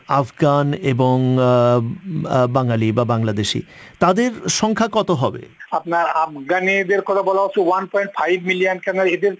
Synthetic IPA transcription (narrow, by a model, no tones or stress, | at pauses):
afɡaneboŋ | baŋalibabaŋlad̪eʃḭ | t̪ad̪eɾʃɔŋkʰakɔt̪oɦɔbḛapnaɾafɡanid̪eɾkɔt̪ʰabɔlaɦot͡ʃʰuwanpɔjɳʈfʰajbmilijankɛpnaɾed̪eɾ